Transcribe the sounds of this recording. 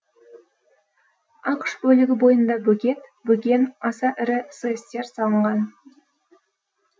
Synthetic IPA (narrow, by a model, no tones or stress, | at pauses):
ɑqʃbɵlɪɡʲɪbo̞jənd̪ɑbɵkʲe̞t̪bɵkʲe̞nɑsɑʔɪɾɪsəjst̪e̞ɾsɑlˠəɴʁɑn